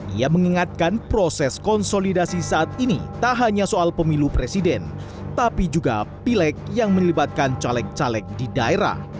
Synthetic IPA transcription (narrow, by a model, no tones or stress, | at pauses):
ʔiaməŋiŋat̪̚kanpɾosɛskɔnsolidasisaʔat̪̚inḭt̪aɦaɲasoalpəmilupɾesidɛn | t̪apid͡ʒuɡa̰pilɛk̚jaŋməlibat̪̚kant͡ʃalɛk̚t͡ʃalɛk̚didaeɾa̰h